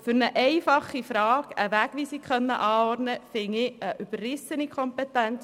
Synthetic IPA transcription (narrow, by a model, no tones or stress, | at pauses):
fʏɾnəʔɛɪfɑχːifɾɑːɡ̥əʋæːɡ̥ʋisikχœnːə̰ʔɑːɔrtnəfɪŋɪəʔyb̥ərrɪsənikʰχɔmpɛtænt͡s